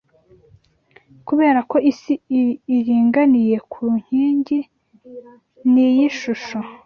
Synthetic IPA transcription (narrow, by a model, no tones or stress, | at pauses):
kuβe̞ːɾako̞ʔisiiːɾiːŋɡanije̞kʰuɲ̥iːɲɟi | nijiʃuʃo̞